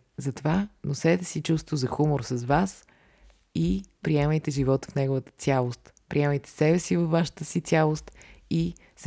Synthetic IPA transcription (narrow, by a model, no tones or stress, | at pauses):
zɐt̪ovanosɛt̪ɛsit͡ʃust̪vozɐxumoɾsəzvas | ipɾiɛməjt̪ɛʒivɔt̪ə̥fnɛɡovət̪ə̥t̪sʲjalˠost̪ | pɾʔiɛməjt̪ɛ̥sɛbɛsivəfːaʃə̥t̪əsit̪sʲalˠost̪i | s